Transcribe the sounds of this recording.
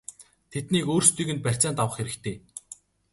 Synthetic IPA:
t̪ʰet̪niːkoːrst̪uɣɘ̆nt̪pær̥ʲt͡saːnt̪awə̆χxeɾɘ̆kt̪ʰeː

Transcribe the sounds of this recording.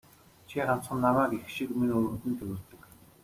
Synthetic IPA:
t͡ɕʰiɢan̥t͡sχə̆nːamæːkixʃikminʲɵɾɵt̪ɘ̆nt̪ʰeɾʲɘ̆ɮt̪ɘ̆k

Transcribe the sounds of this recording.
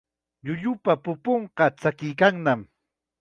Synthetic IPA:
ʎʊʎʊpapʊpoɴqɑt͡sakɪjkaŋnam

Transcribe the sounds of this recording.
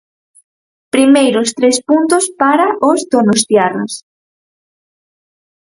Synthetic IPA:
pɾimejɾʊst̪ɾespunt̪ʊspaɾaʔʊzd̪onost̪jara̰s

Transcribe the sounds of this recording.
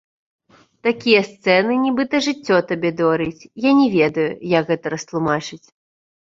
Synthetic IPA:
t̪akʲijɐst̪sɛnɨnʲibɨt̪ɐʐɨt͡sʲːɔt̪abʲɛd̪ɔɾit͡sʲjanʲɛvʲɛd̪ɐjujɐkɣɛt̪ɐɾɐst̪lˠumat͡ʂɨt͡sʲ

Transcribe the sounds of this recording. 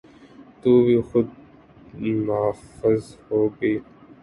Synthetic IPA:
t̪uːbʱiːxʊd̪̚ | mafəzhoːɡəiː

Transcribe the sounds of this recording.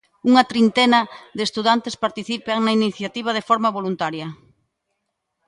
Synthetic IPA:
uŋɐt̪ɾint̪ɛnɐðest̪uðant̪espaɾt̪iθipaŋnɐiniθjat̪iβ̞ɐð̞efɔɾmaβolunt̪aɾjɐ

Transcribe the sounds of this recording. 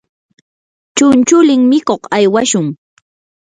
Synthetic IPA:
t͡ʃʊnt͡ʃʊlɪŋmɪkoχajwaʃʊŋ

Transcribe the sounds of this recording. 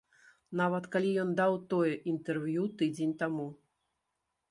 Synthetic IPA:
navɐt̪kalʲijɔnd̪awt̪ɔjɛʔint̪ɛrvjut̪ɨd͡zʲenʲt̪amu

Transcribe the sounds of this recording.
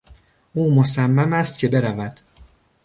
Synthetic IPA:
ʔuːmosæmːæmæst̪̚cʰe̞be̞ɾævæd̪̥

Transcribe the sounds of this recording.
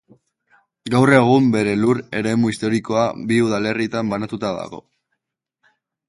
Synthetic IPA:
ɡawre̞ɣ̞umbe̞ɾe̞luɾe̞ɾe̞muist̪o̞ɾiko̞abiuðale̞rit̪ambanat̪ut̪aða̰ɣo̞̰

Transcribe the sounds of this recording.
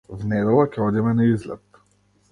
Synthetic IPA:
vnɛd̪ɛlˠakʲɛɔd̪imɛnaizlɛ̰t̪

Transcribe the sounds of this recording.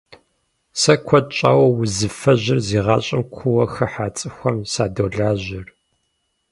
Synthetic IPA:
sɐkʷʰɔd̚t͡ʃʼa̰ːwɐwʊzɨfɐʑɪrziːʁɑ̰ːɕʼɪmkʷʰʊwɐxɐħaːt͡sʼɨxʷɐmsaːdoːɮaːʑɪr

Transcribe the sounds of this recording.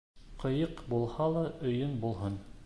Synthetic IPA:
qʰɤ̆jɤqbulˠhɑlˠɑɵ̆jɵnbulˠɦɤn

